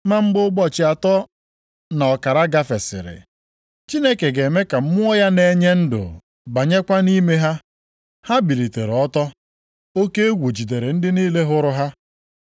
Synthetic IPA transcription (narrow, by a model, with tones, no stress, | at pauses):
ma˦ŋ͡m̩˦ɡ͡bʊ˦ɡ͡bɔ˦t͡ʃɪ˨a˨tɔ˦ | na˨ɔ˨ka˨ɾa˦ɡa˦fe˨sɪ̰˨ɾɪ̰˨ | t͡ʃi˦ne˦ke˨ɡe˨me˦ka˨m̩˦mʊ˦ɔ˦ja˦ne˨ɲe˦n̩˦dʊ̰˨ | ba˨ɲe˦kʷa˦ni˦me˦ɦa˦ | ha˦bi˨ɾi˨te˨ɾɔ˦tɔ˦ | o˦ke˦e˦ɡʷu˨d͡ʒi˨de˨ɾe˨n̩˦dɪ˦niː˦le˦ɦʊ˦ɾʊ˦ɦa˦